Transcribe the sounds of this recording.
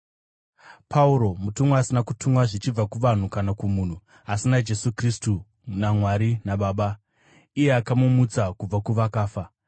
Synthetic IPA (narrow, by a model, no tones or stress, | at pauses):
pʰauɾo̞mutumwaasinakutumwaʐit͡ʃib͡vakuʋan̤ukanakumuːn̤u | asinad͡ʒe̞sukristu | namwaɾinaɓaːɓa | ije̞akamumut͡sakub͡vakuʋakaːfa